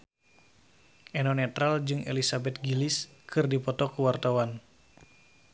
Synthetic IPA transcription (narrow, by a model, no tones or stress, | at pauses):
ʔɛnɔnɛt̪ɾald͡ʒɨŋʔḛlisabɛt̪̚ɡiliskʰɨrdipɔt̪ɔkuwart̪awan